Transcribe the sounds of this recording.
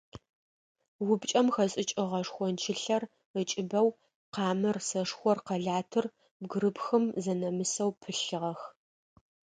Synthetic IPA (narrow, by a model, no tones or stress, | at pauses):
wʊbt͡ʃʼɐmxɐɕʼɪt͡ʃʼɪʁɐʂxʷɔnt͡ʃʰɪɬɐr | ət͡ʃʼɪbɐw | qɑːmɨrsɐʂxʷɔrqɐɮaːtʰɨr | bɡɨɾɨpxɨmzɐnɐmɨsɐwpʰɨɬɨʁɐx